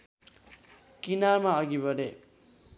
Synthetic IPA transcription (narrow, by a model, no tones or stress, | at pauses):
kinarmaʌɡibʱʌɖe